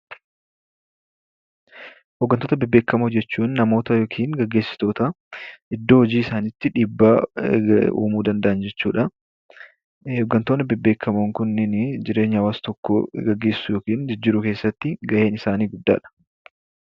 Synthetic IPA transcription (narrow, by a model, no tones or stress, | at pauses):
hɔɡːɐnt̪oːt̪ɐbɪbːe̞ːkːɐmoːd͡ʒɛt͡ʃːuːnːɐmo̞ːt̪ɐjoːkʰiːnɡɐɡːe̞ːsːɪ̥t̪o̞ːt̪ɐ | ʔɪd̪ːoːhɔd͡ʒiːɪsaːniːt̪ːɪᶑiːbːaː | ṵːmuːd̪ɐnd̪ɐʔɐnd͡ʒɛt͡ʃːuːᶑɐ | ɔɡːɐnt̪oːnɪbɪbːe̞ːkʰːɐmoːŋkʊnːɪnd͡ʒɪɾeːɲːɐɐwaːst̪ɔkːɔ̰ɡɐɡːe̞ːsːʊjoːkiːnd͡ʒɪd͡ʒːɪɾʊke̞ːsːɐt̪ːɪɡɐʔe̞ːnɪsaːniːɡʊd̪ːa̰ːᶑɐ̥